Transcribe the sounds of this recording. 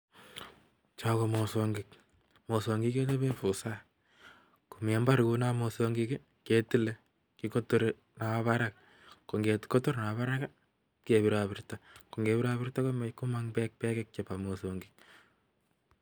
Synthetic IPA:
t͡ʃa˦komo˨soŋɡik̚ | mo˨so˨ŋɡi˦ke˦t̬o˦be˦fu˨sa | ku˨me˨mba˦ɾku˦na˦mo˨so˧ŋɡiki | ke˨ti˦le˦ | kiko˦to˦ɾe | na˨βaɾaka | ko˨ŋɡe˨tko˦to˦ɾna˨βa˦ɾa˦ka | ki˦e˨βi˨ɾabirtako˨ŋɡe˨bi˦ɾa˦βɪ˦rta˦komeku˦ma˦ŋpɛ˦k̚pɛ˦kɛ˦k̚t͡ʃe˨pa˨mo˨soŋɡik̚

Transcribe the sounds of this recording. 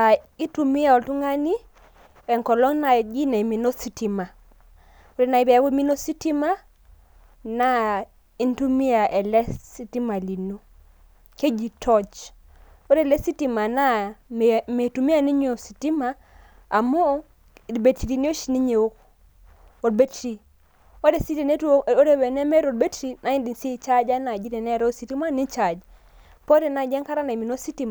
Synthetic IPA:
a˨i˦tu˨mi˦a˨ɔ˨ltu˦ŋa˦ni˦ | ɛ˨ŋkɔ˨lɔ˦ŋna˨d͡ʒi˦na˨i˨mi˨no˦si˦ti˨ma˨ | o˦ɾe˨na˨i˨˦bɛ˨a˦ko˦mi˦no˦si˦ti˦ma˦ | na˦ | i˦ntu˦mi˦a˨ʔɛ˨lɛ˦si˦ti˦ma˨li˨no˦ | ke˦d͡ʒi˨tʰɔ˦t͡ʃ | o˦ɾɛ˦˨lɛ˦si˦ti˨ma˨na˦ | me˨tu˨mi˦a˦ni˦ɲ˦o˨si˨ti˦maː˦˨ | mɔ˦˨ | be˨ti˨ɾi˨ni˦o˦ʃi˦ni˦ɲe˨o˦k | o˨dbe˦tɾi˨ | o˦de˨si˦te˨ne˦o˦ɾe˦wɛ˨nɛ˦mɛ˦ɾo˨d̚be˦tɾi˦na˨i˦ndi˨nsi˦t͡ʃa˦d͡ʒa˦na˨d͡ʒi˦de˨nɛ˦ɾo˦si˨ti˦ma˦ni˦t͡ʃa˨d͡ʒ | po˦ɾe˨na˨d͡ʒɛ˦ŋka˦ɾa˦na˨i˨mi˨no˦si˦ti˦m˨

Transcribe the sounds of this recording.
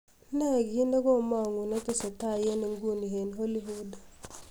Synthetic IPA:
na˦˨ɡi˦nda˦ɡo˦˨ma˦˨ŋu˨na˦te˦sa˨ta˦˨je˦ni˨ŋɡu˦˨ni˨ɦe˨nɦo˦li˦ɦu˦da˨

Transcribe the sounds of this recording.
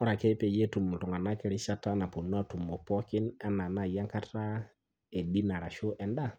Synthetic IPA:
ɔ˦ɾa˨kɛ˦pe˦je˦tu˨mu˨tu˨ŋa˨na˦kɛ˨˦ɾɪ˦ʃa˦ta˦na˨pu˨n˦a˦˨tu˨mɔ˨pɔ˦kɪ˦na˦na˨na˦˨ja˦ŋka˦tʰa˦ | e˨di˦na˨ɾa˨ʃo˦ʔɛ˨nda˦˨

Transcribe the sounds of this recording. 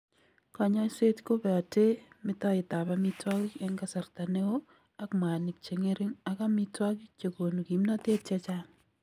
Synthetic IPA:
ka˨ɲa˦se˦tko˦pɛ˨a˨te˦mɪ˦tɔ˦ɪ˨ta˨ba˦mi˦twa˦ki˦ɛ˦ŋka˦sa˨ɾta˨ne˦o˦ | a˦kma˨ni˨k̚t͡ʃe˨ŋe˦ɾi˦ŋa˨ka˦mi˦twa˦ki˦t͡ʃe˨ko˨no˨ki˨mna˦te˦tɛ˦t͡ʃaŋ

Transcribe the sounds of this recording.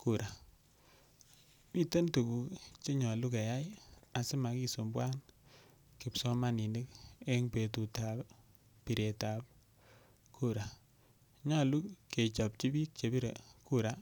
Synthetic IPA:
ku˨ɾa˨ | pi˦te˦ntu˨ku˨kt͡ʃe˦ɲɔ˨lu˦ke˨ja˦ja˨sɪ˦ma˨ki˦so˨mbwa˦n | kɪ˨psɔ˦ma˦ni˨ni˦ke˦ŋpe˨tu˨ta˨ | pi˨ɾe˨ta˨p̚ | ku˦ɾa˨ | ɲɔ˦lu˦kkːe˨t͡ʃɔ˨p̚t͡ʃi˦bi˦k̚t͡ʃe˨bi˦ɾe˨ku˦ɾa˦

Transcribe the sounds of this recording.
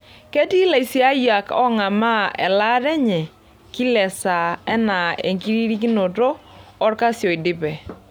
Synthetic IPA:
kɛ˦ti˦la˨i˨si˨˦a˦ja˨kɔ̰˦ŋa˨ma˦ɛ̰˨la˦ɾɛ˦ɲɛ˨ | ki˦lɛ˨sa˨ɛ˦na˨ḛ˨ŋki˦ɾi˦ɾi˦ki˦no˨toː˦rɾka˦sjɔ˨i˨dɪ˦pɛ˨

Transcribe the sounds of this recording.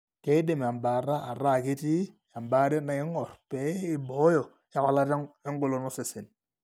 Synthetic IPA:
ke˦de˨m˨a˨mba˨ɾa˦ʔa˨ɾa˦˨ki˦ti˦ja˨mba˦de˦na˨ɪ˦ŋɔ˨rpɛ˦ɪ˦bɔ˨˦jɔ˨ | a˦kɔ˨la˦te˦ŋɡo˦lo˨nɔ˦se˨sɪ˨n

